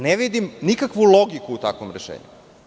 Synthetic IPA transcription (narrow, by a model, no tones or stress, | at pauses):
neʋid̪imnikakʋuloɡikuːt̪akʋo̰mɾeʃḛːɲṵ